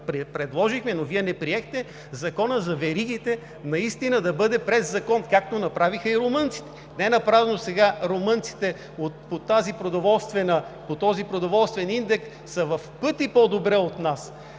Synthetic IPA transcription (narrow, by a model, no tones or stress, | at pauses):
pɾɛpɾɛd̪lˠɔʒixmɛnoviɛnɛpɾiɛxt̪ɛ | zɐkɔnəzɐvɛɾiɡ̟it̪ɛ | nɐist̪inəd̪ɐbɤd̪ɛpɾɛzːɐkɔnkak̚t̪onɐpɾavixəiɾomɤnt̪si̥t̪ɛ̥ | nɛɛnɐpɾavɛnosɛɡaɾomɤnt̪si̥t̪ɛ | ot̪̚pot̪azipɾod̪ovɔlˠst̪vɛnəpot̪ɔzipɾod̪ovɔlˠst̪vɛnind̪ɛksːɐvɐfpɤt̪ipod̪obɾɛot̪nas